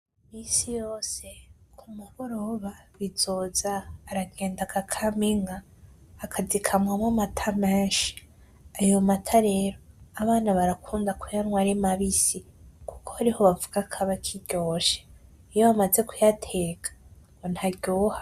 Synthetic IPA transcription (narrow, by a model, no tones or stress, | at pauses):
misijo̞ːse̞kʰumuβoɾoβaβiz̥o̞ːzaːɾaɡe̞ːndakʰakʰamiŋaː | kʰazikʰamwamwamatʰameːnʃi̥ | ajo̞matʰaɾe̞ːɾoaβaːnaβaɾakʰuːndakwejanwaɾimaβisiku̥kʰohaɾiho̞βavuɡ̥akʰaβakʰiɟ̥o̞ːʃe | ijoβamaze̞kujatʰe̞ːɡḁŋɡo̞nhaɟoːhḁ